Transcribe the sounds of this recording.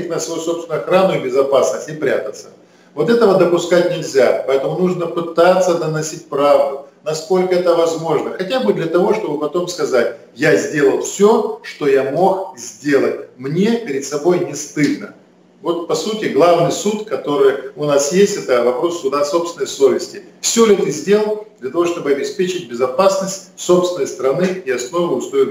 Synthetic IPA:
ɪt̚ʲnəsvɐjuso̞psʲɪnʊɐxɾanʊɪbʲɪzɐpasnəsʲtʲɪpɾʲat̪ət̪sə̥ | vo̞t̪ɛt̪əvəd̪əpʊskatʲnʲɪlʲzʲapɐɛt̪əmʊnuʐnəpɨt̪at̪sːəd̪ənɐsʲit̚ʲpɾavd̪ʊnɐsko̞lʲkəɛt̪əvɐzmo̞ʐnəxɐtʲabɨd̪lʲɐt̪ɐvo̞ʂt̪o̞bɨpɐt̪o̞mskɐzat̚ʲ | jazʲdʲe̞lˠəlˠfsʲoʂt̪o̞jamo̞xzʲdʲe̞lˠət̚ʲmnʲe̞pʲɪɾʲɪd̪sɐbo̞jnʲɪst̪ɨlʲnə | vo̞t̪̚pɐsutʲɪɡlˠavnɨjsut̪kɐt̪o̞ɾɨjʊnasjesʲtʲɛt̪əvɐpɾo̞sːʊd̪aso̞psvʲɪnəjso̞vʲɪsʲtʲɪfsʲolʲɛt̪əzʲdʲe̞lˠəlˠd̪lʲɐt̪ɐvo̞ʂt̪o̞bɨɐbʲɪspʲet͡ɕɪt̚ʲbʲɪzɐpasnəsʲtʲso̞pst̪vʲɪnəjst̪ɾɐnɨɪɐsno̞vɨʊst̪oɪ

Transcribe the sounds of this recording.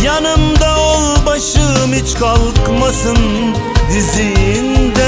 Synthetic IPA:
jɑnɯmd̪ɑolˠbɑʃɯmit͡ʃkʰɑlˠqmɑsɯn | d̪izind̪ɛ

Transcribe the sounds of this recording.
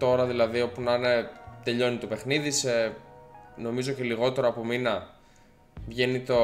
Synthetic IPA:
t̪o̞ɾɐðilɐðio̞punɐnet̪e̞ʎo̞nit̪ope̞xniðise | no̞mizooceliɣo̞t̪e̞ɾoːpo̞minɐ | vʝe̞nit̪o

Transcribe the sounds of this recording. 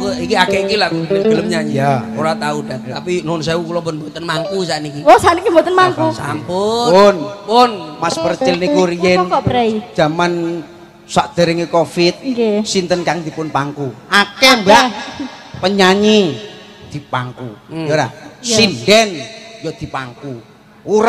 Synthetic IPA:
kuikiakɛikilakunəɡələmɲaɲijaoɾat̪audaapinns̬aukulɔmpʊnbot̪ənmaŋkus̬anikiɔsanikiboɔt̪ənmaŋkusa̰mpʊonpʊnmaspərt͡ʃɛlniɡoɾiɛkɔbɾai̥d͡ʒaman | saʔd̪̥aɾiŋikofɪt̪̚kesint̪ənkaŋd̪i̤pʊnpaŋkuakɛmba | pəɲaɲi | d̪̥i̤paŋkujoɾasindɛnjɔd̪̥i̤paŋku | uɾa

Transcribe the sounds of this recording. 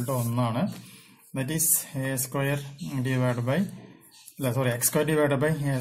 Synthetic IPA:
ɭʈɨonːaːɳɨ | d̪ɐtiseskwɐjɐrɖiʋaɖbɐj | lːɐsoɾiekskwɐjɐɖiʋaɖbɐje

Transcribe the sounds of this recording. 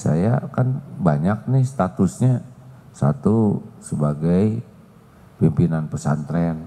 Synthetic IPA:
sa̰jakanbaɲak̚nɪst̪at̪usɲasa̰t̪usəbaɡaj | pimpinanpəsa̰nt̪ɾɛn

